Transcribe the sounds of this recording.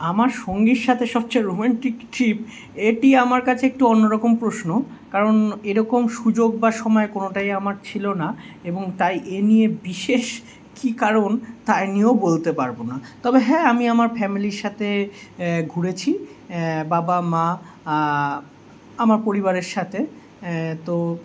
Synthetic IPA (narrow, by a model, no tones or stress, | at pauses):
amaɾʃoŋɡiɾʃat̪ʰeʃɔb̚t͡ɕajɾomɛɳʈikʈʰip | eʈiamaɾkat͡ɕʰeek̚ʈuɔnːoɾɔkompɾosno | kaɾoneɾɔkomʃud͡ʑoɡ̚baʃɔmɔekonoʈaijamaɾt͡ɕʰilonaeboŋt̪ajʔenijebiʃeʃ | kikaɾont̪ajniobolt̪epaɾbonat̪ɔbeɦɛamiamaɾfɛmiliɾʃat̪ʰe | ɡʱuɾet͡ɕʰi | babama | amaɾpoɾibaɾeɾʃat̪ʰe | t̪o